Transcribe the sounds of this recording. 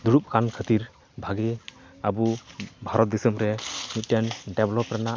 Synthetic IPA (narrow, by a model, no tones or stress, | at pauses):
d̪uɾup̚kʰankʰət̪iɾ | bʱaɡeabubʱaɾɔt̪̚d̪isəmɾɛmut̪̚tɛnɖɛblɔpɾana